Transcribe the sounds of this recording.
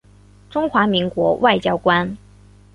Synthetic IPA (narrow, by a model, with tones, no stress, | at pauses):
ʈ͡ʂʊ˥ŋxwa˧˥mi˧˥ŋkwɔ̰˧˥wʔa˥˩ɪt͡ɕjɑ˥ʊkwa˥n